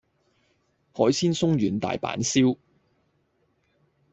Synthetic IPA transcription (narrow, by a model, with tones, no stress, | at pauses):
hɔː˨˥jsiː˥nsʊ˥ŋjyː˨˩nt̪a̰ː˨jpa̰ː˨˥nsiː˥w